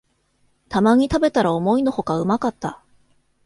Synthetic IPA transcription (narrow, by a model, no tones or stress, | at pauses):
t̪amaɲ̟it̪abe̞t̪aɾaomo̞ino̞ho̞kaɯ̟makat̪ːa